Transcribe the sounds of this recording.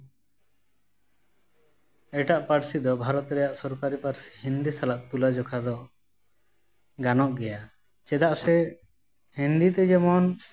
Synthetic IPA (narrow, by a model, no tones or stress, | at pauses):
ɛʈaʔpaɾsid̪ɔbʱaɾɔt̪ɾɛjaʔsɔɾkaɾipaɾsi̥hind̪isalaʔt̪ulad͡ʒɔkʰad̪ɔ | ɡanɔʔɡɛja | t͡ʃɛd̪aʔsɛ | hind̪it̪ɛd͡ʒɛmɔn